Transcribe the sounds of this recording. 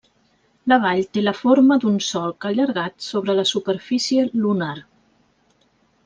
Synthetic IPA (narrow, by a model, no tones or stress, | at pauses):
ləβ̞aʎt̪eləfoɾməd̪unsɔlˠkəʎəɾɣat̪soβɾələsupəɾfisiəlunar